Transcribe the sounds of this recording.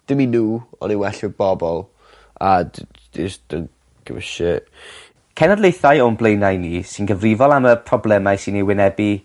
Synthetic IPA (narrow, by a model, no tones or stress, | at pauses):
d̥ɪminuːɔ̰niwɛɬɪb̥ɔbɔlˠ | ad | disd̥ən | kʰə̰vəʃɛ | kʰɛnadlˠejθajɔnblˠejnajniːsɪnɡəvrɪvɔlˠaməpʰrɔblɛmajsɪniwɪnɛbi